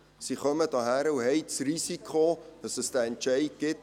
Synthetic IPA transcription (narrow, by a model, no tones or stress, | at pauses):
siχœmədɑːɦæɾəwɦɛjtsrisikʰodɐsəstəɛnt͡ʃɛjt̚ɡ̥ɪt